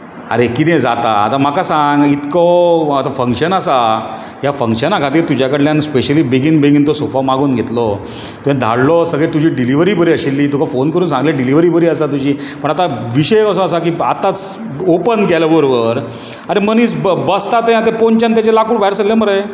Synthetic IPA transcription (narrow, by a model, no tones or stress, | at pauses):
a̰ɾekit̪ẽd͡zat̪a̰ːt̪am̤akasãŋɡit̪kɔat̪afəŋkɕənəsa | ɦjafə̃ŋkɕənakʰat̪iːɾt̪ud͡ʑakəɽljanspeɕəliːbeɡinbẽɡint̪ɔsofamaɡuːnɡʱet̪lɔ | t̪ujãd̪ʱa̰ɽlɔsəɡɭet̪ud͡ʑʱiːɖiliʋəɾiːbəɾiːəɕelːiːt̪ukʰafonkəɾuːnsãŋɡleɖiliʋəɾiːbəɾiːəsat̪ud͡ʑiːpəɳat̪aʋiɕəjəsɔəsak̬iːa̰t̪at͡s | opənɡʱajlabəɾoʋəɾ | aɾemənit͡sbəst̪at̪ẽat̪epoɲt͡ɕant̪̬jat͡ɕelakuːɽbajɾsəlːeməɾəj